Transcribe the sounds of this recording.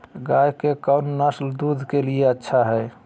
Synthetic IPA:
ɡajkekəwnnəsld̪ud̪ʱkelieətːʃʰaɦɛ

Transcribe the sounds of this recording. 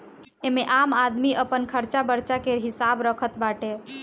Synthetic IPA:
emeʔamad̪miʔəpənkʰəɾt͡ʃabəɾt͡ʃakeɾɦisabɾəkʰət̪baʈe

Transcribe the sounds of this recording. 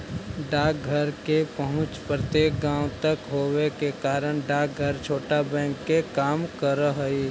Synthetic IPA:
ɖaːk̚ɡʱəɾkepəɦʊ̃t͡ʃpɾət̪jeːk̚ɡãːʊ̃t̪ɐkɦoːwekekaːɾəɽ̃ɖaːk̚ɡʱəɾt͡ʃʰoːʈabɛ̃ːŋkːekaːmkəɾəɦəi

